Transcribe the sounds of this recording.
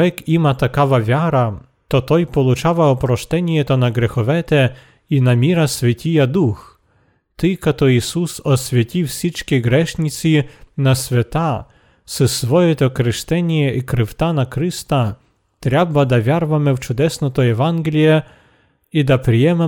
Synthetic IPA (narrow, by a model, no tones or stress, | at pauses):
ɛkimat̪akavavʲaɾa | t̪ɔt̪ɔjpɔlˠʊt͡ʃavaɔpɾɔʂt̪ɛnʲjɛt̪ɔnaɡɾɛxɔvɛt̪ɛ | inamʲiɾasʲvʲɛtʲijad̪ux | t̪ɪkat̪ɔisusɔsʲvʲɛtʲiwsʲit͡ʂkʲijɡɾɛʂnʲit̪sʲinasʲvʲat̪a | sɛsvɔjɛt̪ɔkɾɪʂt̪ɛnʲjɛʔikɾɪwt̪anakɾɪst̪a | t̪ɾʲabad̪avʲaɾvamɪwt͡ʃʊd̪ɛsnɔt̪ɔjɛvanɡʲlʲjɛ | id̪apɾʲɪjɛmɛ